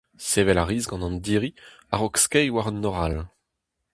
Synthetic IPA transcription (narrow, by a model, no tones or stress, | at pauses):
sevɛlaʁiːzɡɑ̃nɑ̃nd̪iʁi | aʁokskɛjwaʁɑnːɔʁal